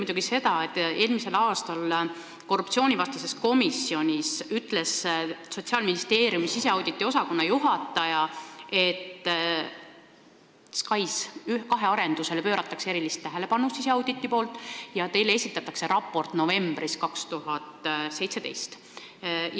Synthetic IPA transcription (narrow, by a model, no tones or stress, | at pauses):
mujd̪uɡ̥ise̞t̪ɑet̪ːˑe̞ːlmise̞lɑːst̪ɑl | ko̞rːupt̪sio̞ːnʲivɑst̪ɑse̞sko̞misːio̞nʲisyt̪ːˑle̞sso̞t̪siɑːlminist̪e̞ːɾjumisise̞ɑwd̪̥it̪ːˑiosɑko̞nːɑjuɦɑt̪ːˑɑjɑe̞t̪ːˑ | skɑjsykɑɦe̞ɑɾe̞nd̪use̞le̞pø̞ːɾɑt̪ːˑɑkseeɾilist̪ːæɦele̞pɑnust̪ise̞ɑwd̪it̪ːˑipo̞ːlt̪ːˑjɑt̪e̞jlee̞sit̪ːˑɑt̪ːˑɑkse̞ɾɑpːˑo̞rt̪no̞ve̞mbriskɑkst̪uɦɑt̪se̞jt̪se̞d̪e̞jst̪